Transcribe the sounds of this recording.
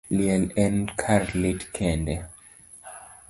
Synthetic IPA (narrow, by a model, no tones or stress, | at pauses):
liɛlɛ̃nkʰaɾlitkʰɛ̃ndɛ